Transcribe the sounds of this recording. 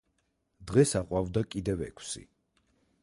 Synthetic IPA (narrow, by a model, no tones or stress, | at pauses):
d̪ʁɛsaqʼwavd̪akʼid̪ɛvɛ̰kʰsḭ